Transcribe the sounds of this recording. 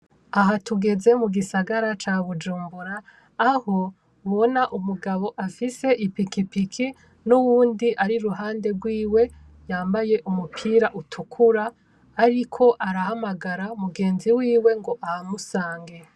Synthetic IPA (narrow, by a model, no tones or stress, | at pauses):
aɦatuɡe̞ze̞muɡisaɡaɾat͡ʃaβud͡ʒuːmbuɾaː | ho̞ | βonaʔumuɡaβo̞ʔafise̞ʔipikipikʰi | nuβuːndiʔaɾiɾuɦaːnde̞ɡwiːwe̞ | jaːmbaje̞ʔumupʰiːɾaʔutʰukʰuɾaː | ɾikʰo̞ʔaɾahamaɡaɾaumuɡe̞ːnziwiːwe̞ŋɡo̞ʔahamusaːŋɡe̞